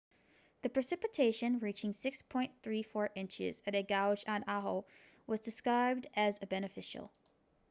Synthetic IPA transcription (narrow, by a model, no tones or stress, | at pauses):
ðɨpʰɹ̥ɨsɪpɨtʰeɪʃɨ̃nɹit͡ʃɪ̃ŋsɪkspʰɔ̃ɪ̃nθɹifɔɹʔɪ̃nt͡ʃɪ̰zɨɾɨɡaʊd͡ʒ̃n̩ɑɦl̩ˠ | wʌzdɨskɹaɪb̚dɨzɨbɛnɨfɪʃl̩ˠ